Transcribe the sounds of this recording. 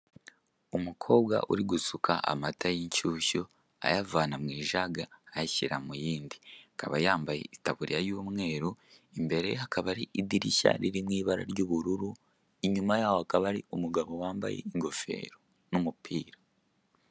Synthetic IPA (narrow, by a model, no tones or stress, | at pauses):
umukʰo̞ːbwa̰ʔṵɾiɡusukʰa̰ʔa̰matʰajiɲcuːʃo | a̰javaːnamŋiːʒaɡaːjaçiɾa̰mujiːndiakaβajaːmbajḛitaβuɾḭjajuːmŋe̞ːɾuimbe̞ɾe̞̰hakaβaɾiʔidiɾiʃa̰ɾiɾimŋiːβaɾa̰ɾjoːβuɾuɾu | iɲumajaːwoakaβaɾiumuɡaβo̞waːmba̰jḛiŋɡo̞fe̞̰ːɾo | numupʰiːɾa